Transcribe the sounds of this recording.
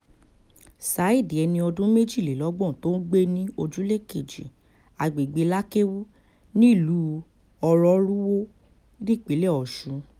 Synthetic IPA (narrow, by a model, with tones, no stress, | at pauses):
sa˨˦i˦˨di˨ɛ˧nĩ˧ɔ˧dũ˦me˦d͡ʒi˦˨le˨lɔ˨˦ɡ͡bɔ̃˦˨to˦ɡ͡be˦nĩ˦o˧d͡ʒu˦le˦˨ke˨d͡ʒḭ˨ | a˨ɡ͡be˨ɡ͡be˧la˦ke˦wu˦ | nĩ˦i˦˨lu˨˦ | ɔ˧ɾɔ˨˦ɾu˦wo˦ | di˦˨k͡pi˨˦lɛ˦˨ɔ˨ʃũ˨˧